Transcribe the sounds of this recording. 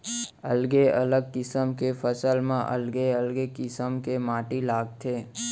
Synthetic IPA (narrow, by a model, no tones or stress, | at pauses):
ə̰lɡeɐ̰ləɡ̚kɪsəmkefəsəlmã̰ʔə̰lɡeəlɡekɪsəmkemaːʈilaːɡt̪ʰeː